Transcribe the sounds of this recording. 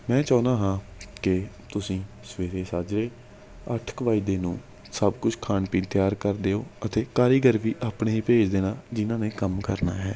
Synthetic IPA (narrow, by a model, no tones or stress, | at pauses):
mɛ̃ːt͡ʃaːnaːɦãːkɪt̪ʊsĩː | səʋeːɾeːsaːd͡ʒɾeː | əʈʰkəʋaːid̪eːnũː | səbkʊt͡ʃʰkʰaːɳpĩːt̪ɪjaːɾkəɾd̪eːoːət̪eːkaːɾiːɡəɾʋiːʔaːpɳeːɦiːpeːd͡ʒd̪eːnaːd͡ʒɪnãːneːkəmkəɾna̰ːɦɛː